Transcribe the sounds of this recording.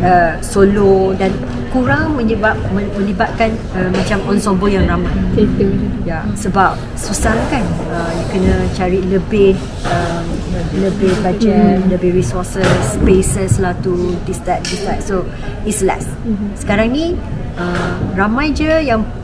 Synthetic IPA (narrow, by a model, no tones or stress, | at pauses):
əsolodan | kuɾaŋmə̃ɲəbap̚məmə̃libat̪̚kan | əmat͡ʃamɔnsɔmbɔjaŋramãjet̪jasəbap̚ | susahkan | əjəkənə̃t͡ʃaɾiləbɪh | əmləbɪhbad͡ʒɛt̪̚ləbɪhɹisɔsəspesəslaht̪udist̪at̪̚dist̪at̪̚so | islɛ̰sː | ə̥kaɾaŋnĩ | ʔəramãjd͡ʒəjaŋ